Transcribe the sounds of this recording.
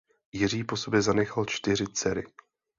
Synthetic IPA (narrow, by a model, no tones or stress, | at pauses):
jɪr̝iːpo̞so̞bjɛzanɛxalt͡ʃt̪ɪr̝ɪt͡sɛɾɪ̰